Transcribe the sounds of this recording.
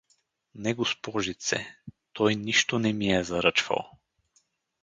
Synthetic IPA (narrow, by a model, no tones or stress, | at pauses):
nɛɡospɔʒit̪sɛ̰t̪ɔjniʃt̪onɛmiɛzɐɾət͡ʃvɐ̰lˠ